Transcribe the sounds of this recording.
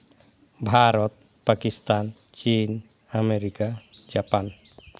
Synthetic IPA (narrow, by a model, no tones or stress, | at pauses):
bʱaɾɔt̪̚ | pakist̪an | t͡ʃin | ameɾikad͡ʒapan